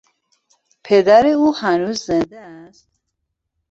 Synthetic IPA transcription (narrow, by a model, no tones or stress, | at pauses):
pʰed̪æɾeuhænuzːend̪eæst̪